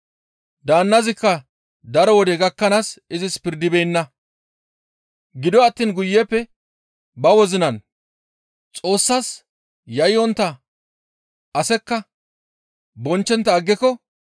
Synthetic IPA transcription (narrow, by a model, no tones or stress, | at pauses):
d̪aːnːɐzɪkːɐ | d̪ɐɾɔwɔd̪ɛɡɐkːɐnaːsɪzɪspɪɾd̪ɪbeːnːɐ | ɡɪd̪ɔɐt̪ːiːnɡʊjːɛpːɛ | bɐwɔzɪnɐn | t͡sʼo̞ːsːaːs | jɐjɔnt̪ːɐ | ʔɐsɛkːɐ | bɔnt͡ʃːɛnt̪ːɐːɡːɪkɔ